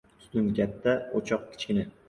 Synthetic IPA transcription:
st̪ʊnkʲat̪ːaot͡ʃʰɒq̚kʲʰɪ̥t͡ʃkʲɪnɪ

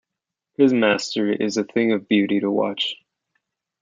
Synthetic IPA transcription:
hɨzmæstə˞ɪ̰zɨθɪ̃ŋʌvbjʉɾiɾəwɑ̰t͡ʃ

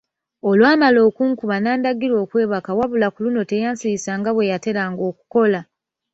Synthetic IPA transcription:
o̞lwaːmalo̞ːkuːŋkuβanaːndaɡiɾo̞ːkwe̞ːβakawaβulakuluno̞te̞jaːnsiisaːŋɡaβwe̞jate̞ɾaːŋɡo̞ːku̥ko̞la

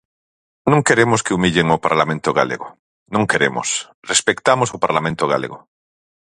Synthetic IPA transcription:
nũŋkeɾemoskeumiʎeŋopa̰ɾlamẽnt̪oɣa̰lḛɣo | nũŋkeɾḛmo̰s | respekt̪amosopaɾlamẽnt̪oɣa̰lḛɣo

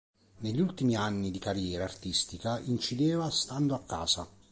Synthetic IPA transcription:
neʎːult̪imianːid̪ikarjɛːɾaːrt̪ist̪ikaint͡ʃid̪ɛːvast̪and̪oakːa̰ːsa

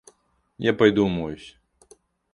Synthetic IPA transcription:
japɐjd̪umɔjusʲ

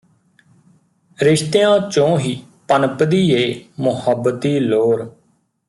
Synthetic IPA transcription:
ɾɪʃt̪eːãːt͡ʃõːɦiː | pənpd̪iːeːmʊhəbːət̪iːloːɾ

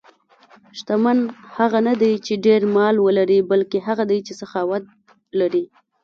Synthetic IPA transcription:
ʃt̪amanhaɣanad̪ajt͡ʃeɖeɾmɑlwəlaɾibalkeɦaɣad̪ajt͡ʃesaxɑwat̪̚ | laɾi

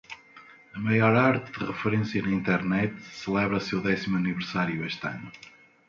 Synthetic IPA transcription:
ɐmɐjɔɾaɾt̪ɨðɨʁɨfɨɾẽsjɐnɐĩnt̪ɛɾnɛt̪sɨlˠɛβɾɐsewðɛsimuɐnivɨɾsaɾjueʃt̪ɐ̰nu

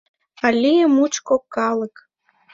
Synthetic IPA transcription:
ɑlʲijəmut͡ɕkokːɑlə̆k

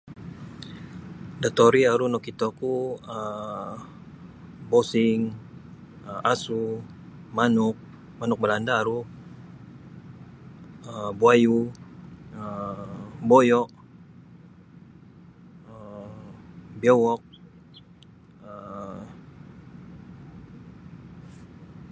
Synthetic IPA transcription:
dat̪oɾiaɾunɔkit̪okuə | bosɪŋ | əasu | manuk̚ | manʊk̚bəlandaːɾu | əbuaju | ə | bojɔʔ | ə | bjowɔk̚ | ə

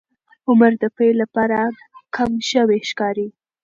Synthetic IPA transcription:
ʊməɾd̪əpelapɑɾa | kʰamʃəweʃkɑɾi

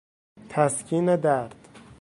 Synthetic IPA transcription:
t̪ʰæskʲʰiːned̪æɾd̪̥

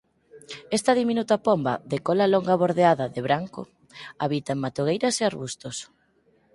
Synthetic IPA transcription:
ɛst̪ɐðiminut̪apɔmbɐðekɔlalɔŋɡaβoɾðeaðɐðɪβɾaŋkʊ̰ | aβit̪amat̪oɣ̞ejɾɐseaɾβust̪os

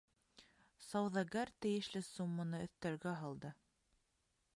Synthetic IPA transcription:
sɑwðɑɡæɾt̪ɘ̆jɘ̆ʃlɘsumːɤ̆nɤɵ̆θt̪æɾɡæɦɑlˠd̪ɤ

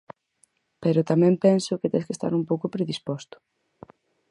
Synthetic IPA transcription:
peɾʊt̪amɛ̃mpɛnsʊket̪ɛ̰̃skest̪a̰ɾumpowkʊpɾeðispɔst̪ʊ̥

